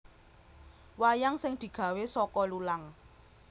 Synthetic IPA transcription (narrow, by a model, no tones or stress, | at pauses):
wajaŋsɪŋd̪̥i̤ɡ̥a̤wesɔkɔlulaŋ